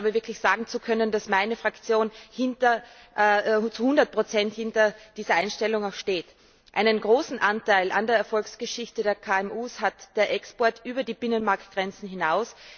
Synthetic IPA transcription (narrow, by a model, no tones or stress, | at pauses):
abɐvɪɐkʰlɪçz̥aːɡŋ̩t͡sukʰœnənd̥asmaɪnəfʁ̥akt͡sjoːnhɪntɐ | t͡suhʊndɐt̚pʁ̥ot͡sɛnthɪntɐd̥iːzɐʔaɪnʃtɛlʊŋaʊxʃteːt | ʔa̰ɪnənɡʁoːsn̩ʔantaɪlʔandeːɐɛɐfɔlksɡ̥əʃɪçtədeːɐkʰaːɛmuːshatd̥eːɐʔɛkspɔɐtʔyːbɐdiːb̥ɪnənmaɐktɡ̥ʁɛnt͡sn̩ɦɪnaʊs